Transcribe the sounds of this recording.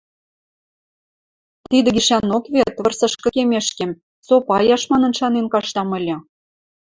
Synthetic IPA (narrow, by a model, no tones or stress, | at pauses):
t̪id̪ɘ̆ɡʲiʃænokβet̪βə̆rsɤ̆ʃkɤ̆kemeʃkem | sopɑjɑʃmɑnə̆nʃɑnenkɑʃt̪ɑmɤ̆lʲɤ̆